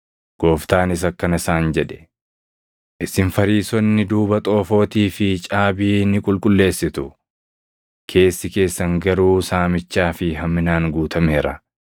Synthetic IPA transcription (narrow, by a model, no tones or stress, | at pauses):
ɡ̥o̞ːft̪aːnɪs̬ɐkːɐnɪsaːnd͡ʒɛᶑɛ̥ | ʔɪsɪnfɐɾiːsɔnːɪd̪uːbɐt̪ʼo̞ːfo̞ːt̪iːfɪt͡ʃʼaːbiːnɪkʼʊlkʼʊlːe̞ːsːɪt̪ʊ | kʰe̞ːsːɪke̞ːsːɐŋɡɐɾuːsaːmɪt͡ʃːaːfɪɦɐmːɪnaːŋɡuːt̪ʰɐmeːɾɐ